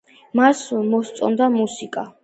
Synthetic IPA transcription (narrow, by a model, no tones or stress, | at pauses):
masmɔst̪sʼɔ̰nd̪amusikʼa